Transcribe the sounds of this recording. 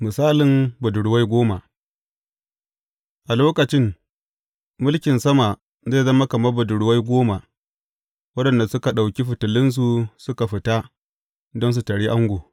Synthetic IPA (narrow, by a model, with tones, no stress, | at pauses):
mɪ˨saː˦lɪ˨mbʊ˨dʊ˨ɽʊ˨wa˦jɡʷoː˦ma˨ʔ | ʔa˨loː˦kɐ˨t͡ʃɪ˦ŋ | mʊ˦lkʲɪ˨nsɐ˦ma˨ | ze˦˨zɐ˦ma˦kɐ˨mɐ˦bʊ˨dʊ˨ɽʊ˨wa˦jɡʷoː˦ma˨ | wɐ˦ɗɐ˨nda˨sʊ˦ka˨ɗa˨wkʲi˦ɸɪ˨tʊ˨lɪ˦ns̬u˨sʊ˦ka˨ɸɪ˨ta˦ | dɔ˦ns̬u˨ta˨ɽi˦ʔa˦ŋɡʷoː˨